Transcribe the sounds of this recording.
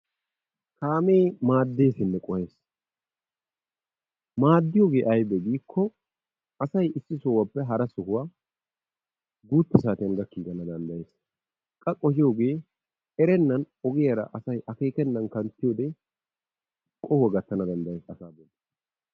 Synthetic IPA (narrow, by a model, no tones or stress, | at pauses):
kaːme̞ːmaːd̪ːe̞ːsɪnːɛkʼɔheːs | maːd̪ːɪjoːɡe̞ːʔɐjbɛɡiːkʰːɔ | ɐsɐjɪsːɪsoːwɐpːɛɦɐɾɐsʊhʊwaː | ɡuːt̪ːɪs̬aːt̪ɪɐŋɡɐkːiːɡɐnɐd̪ɐnd̪ɐjeːs | kʼɐkʼɔhɪjoːɡe̞ː | ɛɾɛnːɐn | ɔɡɪjɐɾɐ̰ʔɐsɐjʔɐke̞ːkɛnːɐnkɐnt̪ːɪjoːd̪eː | kʼɔhʊwɐɡɐt̪ːɐnɐd̪ɐnd̪ɐjeːsɐsaːbod̪e